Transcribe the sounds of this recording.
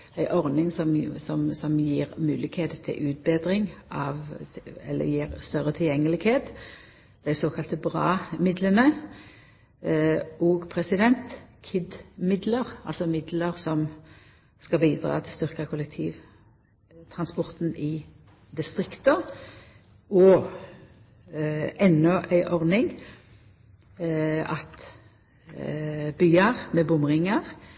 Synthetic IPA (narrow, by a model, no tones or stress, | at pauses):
æɪʔɔʁnɪŋsɔmsɔmsɔmjiːʁmʉːlɪɡkheːt̪ət̪ʰɪ̰ʔʉːt̪̚beːd̪ɾɪŋʔɑʋɛ̰lːə̰jiːʁst̪œʁət̪ʰɪljɛŋːəlɪɡheːt̪ | d̪̥æɪsoːkʰɑlt̪əbʁɑːmɪd̪lənə | ʔoːɡpʰʁɛsɪd̪ɛnt̪kʰɪd̪mɪd̪ləʁɑ̰lsɔmɪd̪ləʁsɔm | skɑbiːd̪ʁɑ̰ːt̪ʰɪst̪ʏʁkəkʰʊlɛk̚t̪ʰiːʋ | t̪ʰʁɑnspɔʁt̪nɪ | d̪ɪst̪ʁɪkt̪ə | ɔ | ʔɛnːɔʔæɪʔɔʁnɪŋ | ɑt̪ | byːəʁmeːbʊmʁɪŋəʁ